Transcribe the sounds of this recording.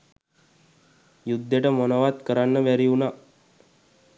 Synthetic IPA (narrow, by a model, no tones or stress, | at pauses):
jud̪ːeʈəmonəʋat̪kəɾanːəʋæɾiuna